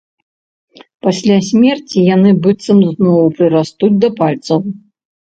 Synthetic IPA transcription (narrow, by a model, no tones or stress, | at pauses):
pasʲlʲasʲmʲɛrt͡sʲijanɨbɨt̪sɐmznɔwupɾɨɾast̪ud͡zʲd̪ɐpalʲt̪sɐw